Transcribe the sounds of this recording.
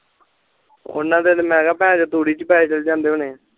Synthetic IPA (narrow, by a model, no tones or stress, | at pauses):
ʊ̰nːãːd̪elmɛːɡaːpɛ̃ːd͡ʒot̪uːɽiːt͡ʃəpaːet͡ʃəld͡ʒãːnd̪eːonẽː